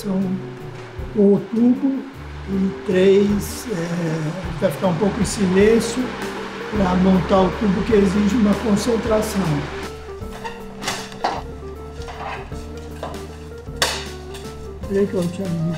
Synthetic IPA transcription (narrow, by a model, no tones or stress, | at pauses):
sɐ̃w̃ | õt̪ubʊ | ɪt̪ɾejsɛvajfi̥kaɾũpowkʊɪ̃silẽsjʊpɾɐmõnt̪aʊt̪ubʊkɪeziʒɪũmɐkõsẽnt̪ɾasɐ̃w̃ | tɾejkot͡ʃĩɐmmi